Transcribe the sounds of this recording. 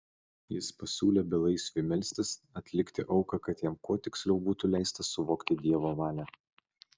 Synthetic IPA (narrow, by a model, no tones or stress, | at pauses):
jɪspɐsʲuːlʲeːbʲɛlˠɐɪsʲʋʲɪmʲɛlʲsʲt̪ʲɪsɐt̪ʲlʲɪkʲt̪ʲɪʔɒʊkɐkɐt̪jɛmkuɔt̪ʲɪksʲlʲɛʊbuːt̪ulʲæˑɪst̪ɐsʊʋoːkt̪ʲɪd̪ʲiɛʋoːʋɑːlʲɛ